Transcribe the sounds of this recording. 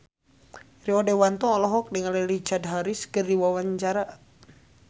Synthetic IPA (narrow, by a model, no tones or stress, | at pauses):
riɔdɛwant̪ɔŋɔlɔɦɔk̚dəŋalɛlid͡ʒad̪ɦaɾiskərdiwawaɲt͡ʃaɾa